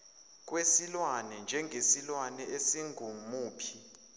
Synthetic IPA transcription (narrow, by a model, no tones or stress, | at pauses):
k̬ʼwesilwanɛnd͡ʒʱɛŋɡʱesilwanɛesiŋʱumuːpʰi